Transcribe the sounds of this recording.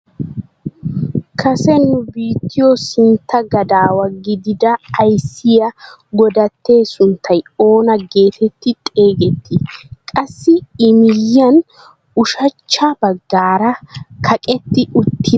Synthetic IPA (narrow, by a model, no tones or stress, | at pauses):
kʰɐsɛnʊbiːt̪ːɪjɔsɪnt̪ːɐɡɐd̪aːwɐɡɪd̪ɪd̪ɐːjsːɪjɐɡɔd̪ɐt̪ːe̞ːsʊnt̪ʰːɐjo̞ːnɐɡe̞ːt̪ʰɛt̪ːɪt̪ʼe̞ːɡɛt̪ʰːɪkʼɐsːɪɪmɪjːɐn | ʊʃɐt͡ʃːɐbɐɡːaːɾɐkʰɐkʼɛt̪ːɪʊt̪ʰːɪ